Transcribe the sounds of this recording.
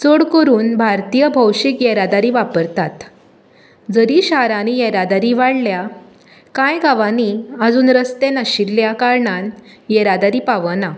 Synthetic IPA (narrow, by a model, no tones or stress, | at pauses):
t͡soɽkəɾuːnbʱaɾt̪ijəbʱəwɕikjɛɾad̪aɾiːʋapəɾt̪at̪ | d͡zəɾiɕaɾanijeɾad̪aɾiʋaɽlja | kãjɡaʋaniəd͡zuːnɾəst̪enəɕilːjakaɾɳan | jɛɾad̪aɾiːpaʋəna